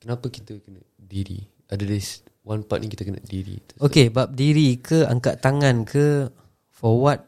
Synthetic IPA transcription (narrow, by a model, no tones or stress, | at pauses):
kənapaki̥t̪əkəna | diɾḭ | ʔadadas | wanpa̰t̪̚nikit̪akəna̰diɾḭt̪okebap̚diɾikəa̰ŋkaʔt̪aŋãnkʰə | fɔwat̪̚